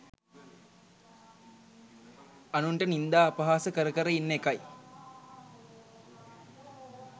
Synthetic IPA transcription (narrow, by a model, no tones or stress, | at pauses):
anuɳʈənind̪aːpəɦaːsəkəɾəkəɾəinːekaj